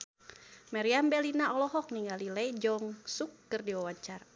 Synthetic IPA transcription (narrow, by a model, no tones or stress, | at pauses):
maɾiambɛlinaɔlɔɦɔk̚niŋɡalilɛjd͡ʒɔŋsukːərdiwawaɲt͡ʃar